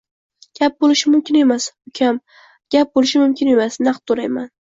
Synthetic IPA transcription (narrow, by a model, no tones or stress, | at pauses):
ɡ̥ʲap̚bolˠɪʃɪmʊmkʲʰɪne̞masʊkʲʰam | ɡ̥ʲap̚bolɪʃɪmʊmkʲʰɪne̞masnaqt̪ʰːoɾajman